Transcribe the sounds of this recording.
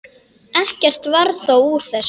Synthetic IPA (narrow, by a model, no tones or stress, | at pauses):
ɛhcɛr̥t̪vaɾθowuɾ̥θɛs